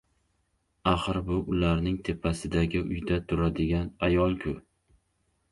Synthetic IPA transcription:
aχɨɾbʊʔʊlaɾnɪŋt̪ʰe̞pʰasɪd̪aɡʲɪʊjd̪at̪ʰʊɾad̪ɪɡʲanajɒlˠkʲʰʊ

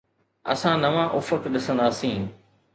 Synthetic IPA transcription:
ɐ̰sãnɐʋãʔʊfəkɗɪsə̃nd̪aːsĩː

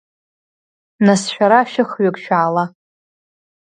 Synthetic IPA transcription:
nasʃᶣaɾaʃɪχɥakʲʼʃᶣaːla

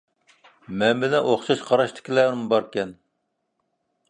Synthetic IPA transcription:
mɛnbɪlɛnʔoχʃɑʃqʰɑɾɑʃt̪ʰɪ̥kʲilæːɾmbɑɾkʲɛn

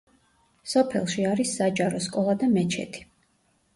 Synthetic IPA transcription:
sɔpʰɛ̰lˠʃiaɾisːad͡ʒʼaɾɔskʼɔlˠad̪amɛt͡ʃʰɛ̰t̪ʰi̥

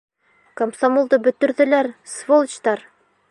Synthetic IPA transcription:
komsɐmolˠd̪ɤbɵ̆t̪ɵ̆ɾðɘ̆læɾsvolˠt͡ɕt̪ɑɾ

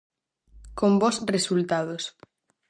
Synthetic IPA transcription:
kombosresult̪aðos

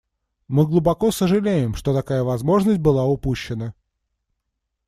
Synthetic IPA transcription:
mɨɡlˠʊbɐko̞səʐɨlʲejɪmʂt̪o̞t̪ɐkajəvɐzmo̞ʐnəsʲt̚ʲbɨlˠaʊpuɕːɪnə

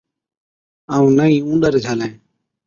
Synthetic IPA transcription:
aːũːnəĩːũːnɗəɾd͡ʒʰaːlɛ̃ː

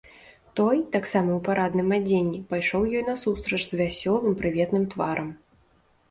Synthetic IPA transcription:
t̪ɔjt̪aksamɐwpaɾad̪nɨmad͡zʲenʲːipajʂɔwjɔjnɐsust̪ɾɐʐzvʲasʲɔlˠɨmpɾɨvʲɛt̪nɨmt̪vaɾɐm

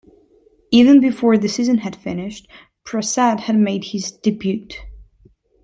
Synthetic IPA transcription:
ivɨ̃nbɨfɔɹðɨsizɨ̃nɨd̥fɪnɪʃt̚ | pʰɹ̥ɨsædhɨd̚meɪd̚hɪzd̥ɨbjʉt

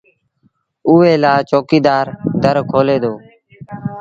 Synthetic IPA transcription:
ʊːeːlaːt͡ʃoːkiːd̪aːɾd̪ʱəɾkʰoːleːd̪oː

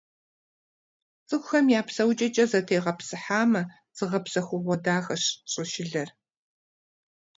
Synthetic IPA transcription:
t͡sʼɨxʷʊxɐmjaːpsɐwt͡ʃʼɐt͡ʃʼɐzɐtʰeːʁɐpsɨħaːmɐ | z̥ɨʁɐpsɐxʷʊʁʷɔdaːxɐɕɕʼɪʃɪɮɐr

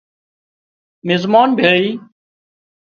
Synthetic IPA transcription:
mɪzmaːnbʱeɭiː

